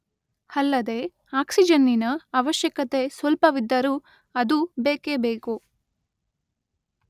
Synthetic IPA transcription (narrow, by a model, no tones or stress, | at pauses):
hɐlːɐd̪e̞ | aːksid͡ʒɐnːinɐɐʋɐʃjɐkɐt̪e̞sʋɐlpɐʋid̪ːɐɾu | ɐd̪ubeːkebeːku